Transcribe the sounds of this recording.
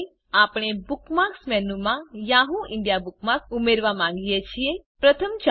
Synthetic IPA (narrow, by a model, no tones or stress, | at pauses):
apɽ̃ebukmaksmɛnumãjãɦũʔɪɳɖijabuk̚maksumeɾʋamãŋ̆ɡijet͡ʃʰiepɾət̪ʰəmt͡ʃ